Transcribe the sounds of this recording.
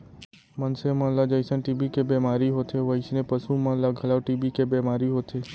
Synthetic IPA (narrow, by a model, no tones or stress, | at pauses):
mənsemãlad͡ʒəjsənʈibikebemaɾiɦot̪ʰeʋəjʃnepəsũmãlaɡʱəlaʋʈibikebemaɾiɦot̪ʰe